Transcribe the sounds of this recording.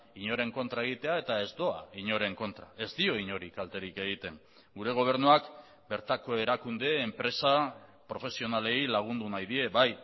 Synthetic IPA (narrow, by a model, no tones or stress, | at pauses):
iɲo̞ɾe̞ŋko̞nt̪ɾae̞ɣ̞it̪e̞ae̞t̪ae̞zd̪o̞a̰iɲo̞ɾe̞ŋko̞nt̪ɾae̞zd̪io̞iɲo̞ɾikalt̪e̞ɾike̞ɣ̞it̪e̞ŋ | ɡuɾe̞ɣ̞o̞β̞e̞ɾnuak | be̞ɾt̪ako̞e̞ɾakund̪e̞ːmpɾe̞sapɾo̞fe̞sio̞nale̞ilaɣ̞und̪unajðie̞βaj